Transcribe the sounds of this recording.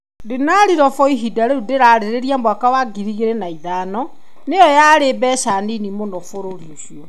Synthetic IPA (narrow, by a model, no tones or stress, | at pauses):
denaɾiɾɔfɔiɦidaɾeudeɾaːɾeɾeɾiambwakawaɡiɾiɣeɾenaiðaːnɔ | nejɔjaɾebɛːʃaninimonɔfoɾoɾioɕjɔ